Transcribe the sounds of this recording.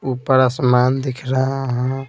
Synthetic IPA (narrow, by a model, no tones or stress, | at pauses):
upəɾasmaːnd̪ikʰɾəɦaɦə̃